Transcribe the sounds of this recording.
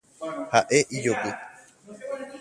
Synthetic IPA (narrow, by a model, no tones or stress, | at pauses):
haʔe̞ʔid͡ʒopi